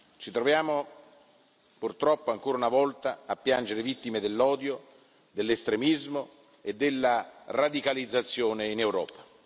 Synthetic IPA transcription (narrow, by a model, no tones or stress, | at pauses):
t͡ʃit̪ɾovjaːmo | purt̪ɾɔpːoaŋkoːɾaunavɔlt̪aapːjand͡ʒeɾevit̪ːimed̪elːɔːd̪jo | d̪elːest̪ɾemizmo | ed̪ːelːarad̪ikalid̪zːat̪sːjoːneinewɾɔːpḁ